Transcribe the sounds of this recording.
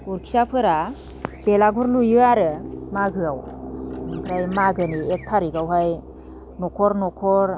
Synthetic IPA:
ɡuɾkʰi̥sapʰɯɾa | belaɡuɾlujɯaɾɯmaɡɯawnɯŋkʰɾajmaɡɯniek̚tʰaɾiɡawɦaj | nɔkʰɔɾnɔkʰɔɾ

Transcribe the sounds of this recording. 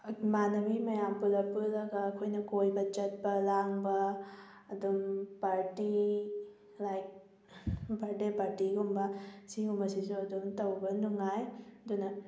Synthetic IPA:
manɐmimɐjampulɐpulɐɡɐːkʰojnɐkojbɐt͡ʃɐt̚bɐlaŋbɐː | dumpaɾti | lajk̚ | baɾdepaɾtiɡumbɐsiŋumɐsisuɐdŋtɐwbɐnuŋajɐdunɐ

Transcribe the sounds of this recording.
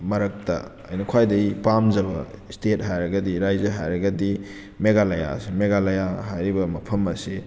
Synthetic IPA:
mɐɾɐk̚tɐ | ɐ̰jnɐkʰwajdɐjpamzɐβɐstet̚ɦajɾɐɡɐdiɾajzɐɦajɾɐɡɐdi | meɡalaja̰simeɡalajaɦajɾibɐmɐpʰɐmɐsi

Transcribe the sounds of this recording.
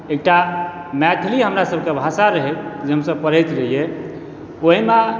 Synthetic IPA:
ek̚ʈa | mɛt̪ʰiliɦəmɾasəb̚ʱkebʱasaɾəɦɛt̪̚d͡ʒeɦəmsəb̚pəɾ̤əjt̪ɾəɦije | oɦime

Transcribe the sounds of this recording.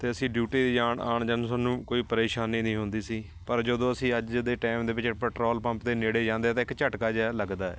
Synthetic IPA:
t̪eːəsĩːɖjuːʈiːd͡ʒaːɳaːɳd͡ʒənsənũːkoːiːpəɾeːʃaːnːiːnĩːɦʊnd̪iːsiː | pəɾd͡ʒəd̪õːəsĩːəd͡ʒd̪eːʈɛːmd̪eːbɪt͡ʃpɛːʈɾɔːlpə̃mpt̪eːneːɽeːd͡ʒãːnd̪eːt̪ãːɪkt͡ʃəʈkaːd͡ʒɛːləɡd̪aːɛ̰ː

